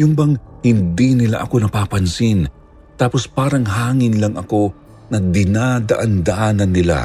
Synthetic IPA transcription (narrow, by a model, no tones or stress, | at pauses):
jʊŋbɐŋhɪnd̪inɪla̰ʔɐko̞nɐpaːpɐnsɪn | t̪aːpo̞spaːɾɐŋɦaːŋɪnlɐŋʔɐko̞ | nɐd̪ɪnad̪ɐʔand̪ɐʔaːnɐnːɪla̰